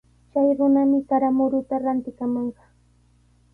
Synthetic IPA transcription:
t͡ʃajɾʊnamɪkaɾamʊɾʊt̪aɾant̪ɪkamɑɴɢɑ

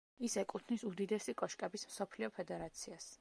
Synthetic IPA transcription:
isɛkʼut̪ʰnisud̪id̪ɛsikʼɔʃkʼɛbismsɔpʰliɔpʰɛd̪ɛɾat̪sʰias

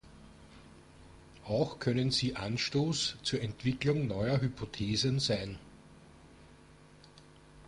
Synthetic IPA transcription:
ʔɑʊxkʰœnənziːʔanʃtoːst͡suːɐɛntv̥ɪklʊŋnɔʏɐɦypʰotʰeːzənzæɪn

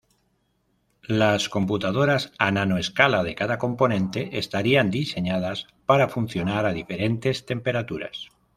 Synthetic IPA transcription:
lasko̞mput̪að̞o̞ɾasananoeskalaðe̞kaðako̞mpo̞nẽ̞nt̪e̞ʔest̪aɾiand̪ise̞ɲað̞as | paɾafun̟θjo̞naɾað̞ife̞ɾe̞nt̪e̞st̪e̞mpe̞ɾat̪uɾa̰s

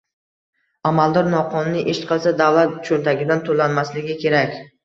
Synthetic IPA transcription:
amalˠd̪ɒɾnɒqʰɒnːɪʔeʃqʰɨlˠsad̪avlˠat̪t͡ʃʰolt̪ʰaɡʲɪd̪ant̪ʰolanmaslɪɡʲɪkʲʰe̞ɾakʲ

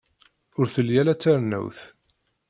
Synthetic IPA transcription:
ʊɾθəljælæt͡sːaɾnæ̰wθ

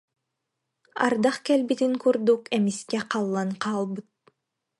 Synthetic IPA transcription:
a̰ɾd̪aχkɛlʲbit̪iŋkuɾd̪ukɛmiskɛqɑlˠːanqɑːlˠbɯt̪̚

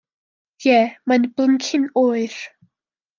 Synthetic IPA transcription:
jɛːmanbləŋkʰɪnoːɨr̥

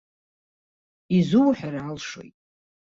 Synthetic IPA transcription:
izuwħarʕalʂo̞̰jtʼ

